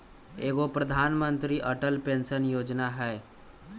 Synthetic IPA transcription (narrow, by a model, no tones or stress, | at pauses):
eːɡopɾəd̪ʱaːnmə̃nt̪ɾiʔəʈəlpẽːnsənjoːd͡ʒnaɦɛː